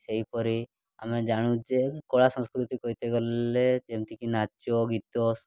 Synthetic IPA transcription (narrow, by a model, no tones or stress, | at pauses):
seipɔɾi | a̰med͡ʒaɽ̃ũd͡ʒekoɭasɔ̃skɾut̪ikɔit̪eɡɔled͡ʒemt̪ikinat͡ʃjoɡit̪os